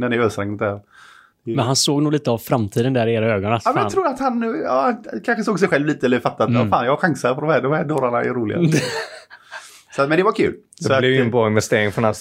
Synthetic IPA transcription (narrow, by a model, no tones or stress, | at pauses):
d̪ɛnɛɾøːst̪ɾɛŋd̪æɾ | mɛnhansoːɡnuːɡliːt̪əavfɾamt̪ʰiːd̪ənd̪æːɾɪeːɾaøːɡɔnasɔːmɛjaɾuːɾat̪hanːʉ̟ːɑ̰hankʰanɧəsoːɡsɛjɧɛlvliːt̪əɛlːəɾfat̪ːat̪ːfa̰ːnjɑaɧaŋsaɾpʰɔd̪ɔmhædɔmhædoːɾaɳaɛ̰ɾuːlɪɡa | sɔat̪mɛnd̪ɛvakʰʉ̟̰ːl | dsɛɔlɛvjʏɛnbɾɔːɪnvɛst̪eːɾɪŋfɔnas